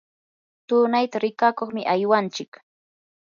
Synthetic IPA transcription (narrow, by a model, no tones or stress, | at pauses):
t̪ʊːnajt̪aɾɪkakoχmɪʔajwant͡ʃɪk